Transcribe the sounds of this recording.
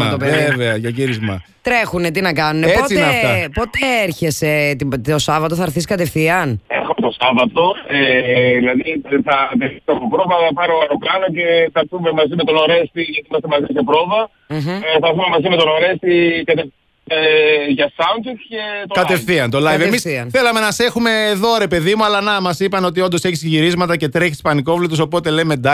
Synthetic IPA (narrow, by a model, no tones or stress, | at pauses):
ɐt̪opeveɐʝɐʝiɾizmɐ | t̪ɾe̞xune̞t̪̬inɐkɐnuneeposit̪nft̪ɐpo̞t̪eeeɾçese̞t̪iosɐvɐt̪oθɐɾθisi̥kɐt̪e̞fθiɐnḛxomet̪osɐvɐt̪o̞eðilɐðiθɐt̪eisɐpopɾovɐɐpɐɾoɐɾoplɐnoce̞θɐθume̞mɐzime̞t̪o̞noɾe̞st̪iʝɐt̪iimɐst̪emɐzisepɾovɐ | θɐθume̞mɐzimet̪o̞noɾe̞st̪ikɐt̪e | eʝɐsɐunset̪ce̞t̪okɐt̪effθiɐnt̪olɐivemisɐnθe̞lɐme̞nɐse̞xume̞ːðo̞ɾe̞pe̞ðimuɐlɐnɐmɐsipɐno̞t̪̬io̞nd̪o̞seçisʝiɾizmɐt̪ɐce̞t̪ɾe̞çi̥spɐniko̞vlit̪uso̞po̞t̪e̞leme̞d̪ɐ